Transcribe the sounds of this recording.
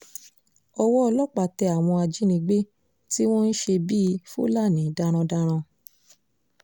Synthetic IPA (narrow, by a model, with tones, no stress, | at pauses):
ɔ˧wɔ˦ɔ˧lɔ˦k͡pa˨tɛ˧a˨w̃ɔ̃˧a˧d͡ʒi˨˦nĩ˧ɡ͡be˦ | ti˦w̃ɔ̃˦n̩˦ʃe˧biː˦˧˦fo̰˦la˦˨nĩ˨˦da˧ɾ̃ã˧da˧ɾ̃ã˧